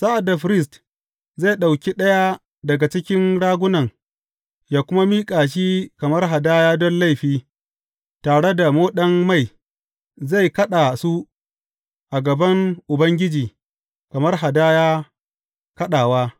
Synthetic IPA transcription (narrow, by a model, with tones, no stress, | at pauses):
sa˦ʔa˨da˨ɸɾɪ˦˨s̬t | za˦˨jɗa˨wkʲi˦ɗɐ˦ja˦ | dɐ˨ɡa˨t͡ʃɪ˦kʲɪ˦nɽaː˦ɡʷʊ˦nɐ˨ŋ | jaː˦kʷʊ˦ma˦miː˦kʼaː˨ʃ̬iː˦kɐ˨mɐ˦rɦa˨daː˦jaː˦dɔ˦nla˦˨jɸiː˦ | taː˨ɽe˦da˨moː˦ɗɐ˦mːa˦˨j | za˦˨jkɐ˦ɗa˨su˦ | ʔa˨ɡɐ˨bɐ˦ŋʔʊ˨bɐ˦ŋɡʲɪ˦d͡ʒiː˨ | kɐ˨mɐ˦rɦa˨daː˦jaː˦ | kɐ˦ɗaː˨waː˦